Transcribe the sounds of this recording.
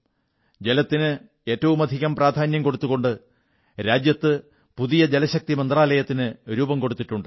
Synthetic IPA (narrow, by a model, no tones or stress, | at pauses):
d͡ʑe̞lɐt̪ːinɨ | e̞ːtːɐʋumɐd̪ʱiɣɐmpraːd̪ʱaːnjɐmko̞ɽut̪ːuɣo̞ɳɖɨ | ɾaːd͡ʑjɐt̪ːɨ | puðijɐd͡ʑelɐɕɐk̚t̪imɐnd̪raːlɐjɐt̪ːinɨɾuːbɐmko̞ɽut̪ːiʈːuɳɖɨ